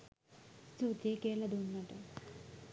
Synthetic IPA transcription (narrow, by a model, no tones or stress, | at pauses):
st̪ut̪ekeːlɐd̪uːnːaʈe